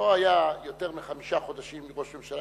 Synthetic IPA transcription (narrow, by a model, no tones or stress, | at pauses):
oajajo̞t̪eʁmiχamiʃaχo̞d̪aʃimːiʁo̞ʃmemʃala